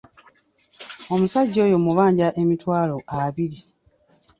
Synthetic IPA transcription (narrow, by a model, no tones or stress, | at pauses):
o̞musaɟːo̞ːjo̞muβaːɲɟaʔe̞mitwaːlo̞aβiɾi